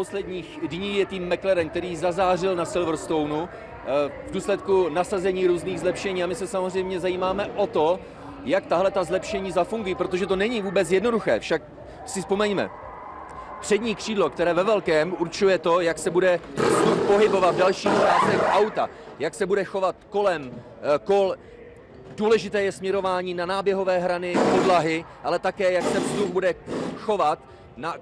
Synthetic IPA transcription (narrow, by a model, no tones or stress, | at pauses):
poslɛdɲiːxdɲiːjɛt̪iːmːɛklɛɾɛŋk̚t̪ɛɾiːzazaːrɪlnasɪlvɾ̩st̪o̞wnu | vduːslɛt̪kunasazɛɲiːɾuːzniːɣzlɛpʃɛɲiːamɪsɛsamozr̝ɛjmɲɛzajiːmaːmɛʔo̞t̪o̞ | jakt̪aɦlɛt̪azlɛpʃɛɲiːzafuŋɡujipɾo̞t̪o̞ʒɛt̪o̞nɛɲiːvuːbɛt͡sjɛdnoduxɛ̰ːfʃak̚ | sɪspo̞mɛɲmɛ̰ | pr̝̥ɛdɲiːkr̥iːdlo̞kt̪ɛɾɛːvɛvɛlkɛːmuɾt͡ʃujɛt̪o̞jaksɛbudɛzd̪upo̞ɦɪbo̞vat̪vdalʃiːxt͡ʃaːst̪ɛxʔawt̪a | jaksɛbudɛxo̞vat̪̚ko̞lɛm | ko̞l | duːlɛʒɪt̪ɛːjɛsmɲɛɾo̞vaːɲiːnanaːbjɛɦo̞vɛːɦɾanɪpo̞dlaɦɪʔalɛt̪akɛːjaksɛvzd̪ux̚budɛxo̞vat̪ | na